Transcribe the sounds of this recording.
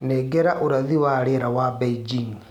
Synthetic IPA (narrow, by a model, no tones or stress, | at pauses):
neɡɛɾaʔoɾaðiwaːɾeɾawabeid͡ʒiŋ